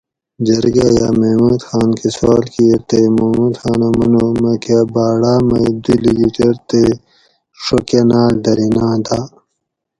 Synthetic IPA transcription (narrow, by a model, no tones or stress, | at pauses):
d͡ʑɐɾɡaja̰ːmemuːd̪xaːnkesoːlkiet̪emɐmuːd̪xaːnɐmɐnomɐkabaːɽaːmɐd̪uliɡiʈeɾt̪e | ʂokenaːld̪ɐɾinãːd̪aː